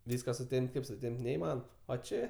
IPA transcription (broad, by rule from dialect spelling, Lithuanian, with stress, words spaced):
ˈʋʲiːskɐ sʊˈtʲɛmʲpʲtʲ ˈkɐɪp sʊˈtʲɛmʲpʲtʲ nʲɛɪˈmɑːnoːm oː ˈt͡ʃʲeː